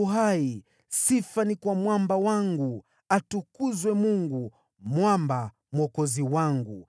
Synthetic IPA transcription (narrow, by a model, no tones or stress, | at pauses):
uɦai | sifanikwamwambawaŋɡu | atukuzwɛmuŋɡu | mwamba | mwɔkɔziwaŋɡu